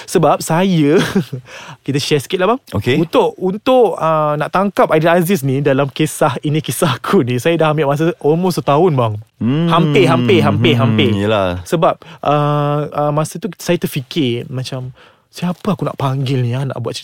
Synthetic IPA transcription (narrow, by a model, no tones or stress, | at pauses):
səbap̚sajə | kit̪əʃɛskɪt̪̚labaŋokeunt̪ʊʔunt̪ʊʔənaʔt̪aŋkap̚ajdəazɪs̬nĩdalamkesahinĩkisaɦkʰunĩsajədahambɪʔmas̬əʔɔlmost̪ət̪aʊnbaŋhampɪɦampɪɦampɪɦampɪjəlasəbap̚ʔəəmasət̪usajat̪əfikɪmãt͡ʃam | siapəakuna̰ʔpaŋɡɪlniana̰ʔbuat̪̚